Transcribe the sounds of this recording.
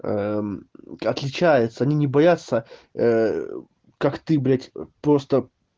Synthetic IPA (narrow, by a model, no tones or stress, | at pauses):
ə | ɐt̪lʲɪt͡ɕæjɪt̪səɐnʲinʲɪbɐjat̪səə | kakt̪ɨbɾʲatʲpɾo̞st̪ə